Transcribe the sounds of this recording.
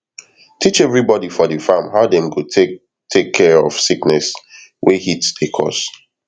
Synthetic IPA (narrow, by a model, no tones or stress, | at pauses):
tʰit͡ʃɛvɹibɔdifɔdəfãmɦaʊdɛ̃mɡote | tʰekʰːɛɹɔ̰v̥siknɛswʔehitsdəkʰɔ̰s